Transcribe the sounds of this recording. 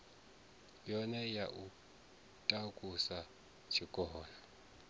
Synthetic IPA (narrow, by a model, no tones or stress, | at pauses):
jɔnɛjaʔu | tʼakʼusa | t͡ʃʰikʼɔːla